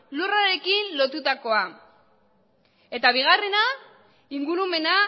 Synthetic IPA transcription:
luraɾe̞kinlo̞t̪ut̪ako̞a | e̞t̪aβ̞iɣ̞are̞na | iŋɡuɾume̞na

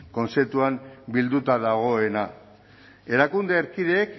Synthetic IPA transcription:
ko̞nt͡se̞p̚t̪uambild̪ut̪aðaɣ̞o̞e̞na | e̞ɾakund̪e̞ːɾkiðe̞ːk

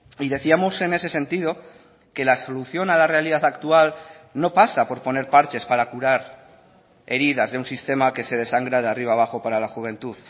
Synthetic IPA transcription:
iðe̞θiamo̞se̞ne̞se̞se̞nt̪ið̞o̞ | ke̞laso̞luθjo̞nalare̞aliðaθakt̪ual | no̞pasapo̞ɾpo̞ne̞ɾpaɾt͡ʃe̞spaɾakuɾaɾ | e̞ɾið̞azðe̞unsist̪e̞make̞se̞ð̞e̞saŋɡɾað̞eariβaβ̞axo̞paɾalaxuβ̞ẽ̞nt̪uð

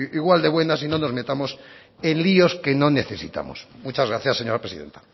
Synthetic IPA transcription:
iɣwald̪eβwenas̬inonozme̞t̪amos | ẽnlioskenoneθesḭt̪a̰mo̰smut͡ʃazɣɾaθjaseɲoɾapɾesiðḛnt̪ḁ

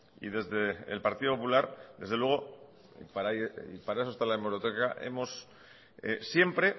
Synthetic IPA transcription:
ḭðe̞zðe̞̰ːlpaɾt̪iðo̞po̞pulaɾd̪e̞zðe̞lwe̞ɣ̞o̞̰ | paɾaḭpaɾae̞s̬ost̪alaemeɾot̪ekaʔḛmo̞s | ḛsje̞mpɾe̞

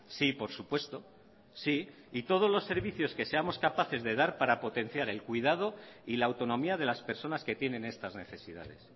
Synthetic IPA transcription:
sipo̞ɾsupwe̞st̪o̞ | si | it̪o̞ð̞o̞zlo̞sːe̞ɾβiθjo̞ske̞se̞amo̞skapaθe̞zðe̞ðaɾpaɾapo̞t̪e̞n̟θjaɾe̞lkwiðað̞o̞ilaːwt̪o̞nõ̞miaðe̞laspe̞ɾso̞naske̞t̪je̞nẽ̞ne̞st̪azne̞θe̞sið̞a̰ð̞e̞̰s

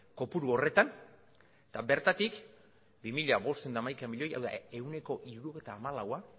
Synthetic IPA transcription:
ko̞puɾuo̞re̞t̪an | t̪abe̞ɾt̪at̪ik | bimiʎaβo̞st̪end̪amajkamiʎo̞ja̰wða̰e̞wne̞ko̞ʔiɾuɾuoɣejt̪aːmalawa

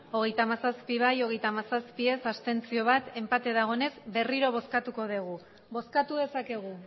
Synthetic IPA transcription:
o̞ɣ̞e̞jt̪amasaspiβajo̞ɣe̞jt̪amasaspie̞sast̪e̞nt͡sio̞β̞at̪e̞mpat̪e̞ðaɣ̞o̞ne̞zbe̞riɾo̞β̞o̞skat̪uko̞ðeɣ̞u | bo̞skat̪uðe̞sake̞ɣ̞u

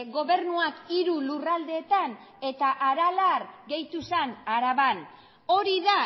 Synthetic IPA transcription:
ɣo̞βe̞ɾnuakiɾulurald̪e̞ːt̪an | e̞t̪aʔaɾalarɡe̞jt̪usanaɾaβan | o̞ɾiða

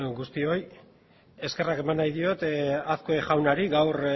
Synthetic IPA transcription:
ɡust̪io̞j | e̞ske̞rake̞manːajðio̞t̪aθkoeʝawnaɾiɡawr

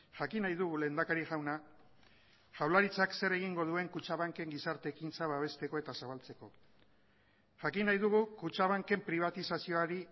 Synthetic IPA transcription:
ʝakinajðuɣule̞ːnd̪akaɾiʝawna | ʝawlaɾit͡sakse̞ɾe̞ɣ̞iŋɡo̞ð̞ue̞ŋkut͡ʃaβaŋke̞ŋɡisaɾt̪e̞kint͡saβaβ̞e̞st̪e̞ko̞e̞t̪asaβalt͡se̞ko̞ | ʝakinajðuɣukut͡ʃaβaŋke̞mpɾiβ̞at̪isasio̞aɾi

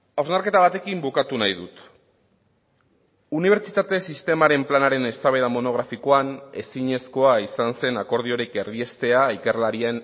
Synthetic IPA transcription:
awznaɾke̞t̪aβ̞at̪e̞kimbukat̪unajðut̪ | uniβ̞e̞ɾt͡ʃit̪at̪e̞sist̪e̞maɾe̞mplanaɾe̞ne̞st̪aβeðamo̞no̞ɣ̞ɾafiko̞ane̞siɲe̞sko̞aisanse̞nako̞ɾð̞io̞ɾike̞rðie̞st̪e̞aike̞ɾlaɾien

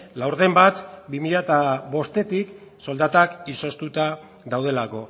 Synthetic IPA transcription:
lawɾðe̞mbat̪bimiʎat̪aβo̞st̪e̞t̪ik | so̞ld̪at̪akiso̞st̪ut̪a | ðawð̞e̞lako̞

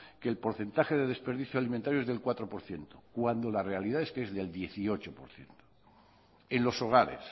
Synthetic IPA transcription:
keːlpo̞ɾθe̞nt̪axe̞ðe̞ðe̞spe̞ɾð̞iθjoaliment̪aɾjoe̞zðe̞lkwat̪ɾo̞po̞ɾθje̞nt̪okwand̪o̞lare̞aliðaeskee̞zðe̞ld̪je̞θio̞t͡ʃopo̞̰ɾθje̞̰nt̪o | enlo̞so̞ɣ̞aɾe̞̰s

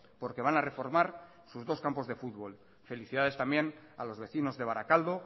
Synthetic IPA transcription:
po̞ɾke̞β̞anare̞fo̞ɾmaɾ | suzðo̞skampo̞zðe̞fud̪βo̞l | fe̞liθiðað̞e̞st̪ambje̞na̰lo̞zβe̞θino̞zðe̞β̞aɾakald̪o̞

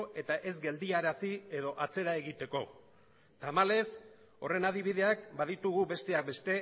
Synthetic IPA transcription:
e̞t̪aʔe̞zɡe̞ld̪iaɾasie̞ðo̞ʔat͡se̞ɾae̞ɣit̪e̞ko̞ | t̪amale̞s | o̞̰re̞naðiβ̞iðe̞ak̚baðit̪uɣube̞st̪e̞ak̚be̞st̪e̞

